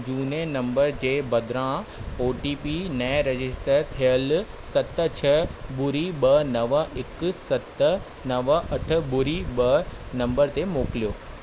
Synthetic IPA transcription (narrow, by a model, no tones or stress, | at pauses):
d͡ʑuːnenɐ̃mbəɾd͡ʑeːbɐd̪ɾãoːʈiːpinɐ̃ɾɐd͡ʑɪsʈəɾt̪ʰijəl | sɐt̪ət͡ɕʰɐbʊɾibɐnɐʋəɪksɐt̪ə | nɐʋəʔɐʈ̆ʰbʊɾibɐ | nɐ̃mbəɾt̪emoːklijoː